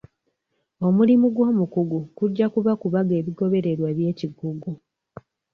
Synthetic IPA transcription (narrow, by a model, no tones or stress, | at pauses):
o̞mulimuɡwo̞ːmukuɡukuɟːakuβakuβaɡe̞ːβiɡo̞βe̞ɾe̞ɾwaβje̞ːciɡuɡu